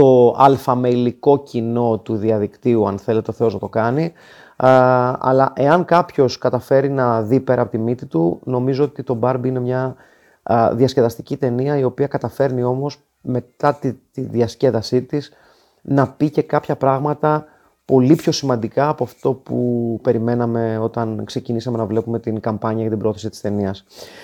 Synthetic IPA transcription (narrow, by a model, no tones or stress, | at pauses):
t̪o̞ɐlfɐmeliko̞cino̞t̪uðiɐðikt̪iuɐ̰nθe̞le̞t̪e̞o̞θe̞o̞znɐt̪o̞kɐni | ɐ̰lɐʔe̞ɐŋkɐpço̞skɐt̪ɐfe̞ɾinɐðipe̞ɾɐːpo̞t̪imit̪it̪uno̞mizo̞ot̪it̪o̞bɐɾbinemɲɐ | ðiɐsce̞ðɐst̪icit̪e̞niɐio̞piɐkɐt̪ɐfe̞ɾnio̞mo̞s | me̞t̪ɐt̪it̪iðiɐsce̞ðɐsit̪is | nɐpice̞kɐpçɐpɾɐɣmɐt̪ɐ | po̞lipço̞simɐnd̪ikɐːpoɐft̪o̞pupe̞ɾime̞nɐme̞o̞t̪ɐnkse̞cinisɐme̞nɐvle̞pume̞t̪iŋkɐmpɐɲɐjʝɐt̪ibɾooθesit̪i̥st̪e̞niɐs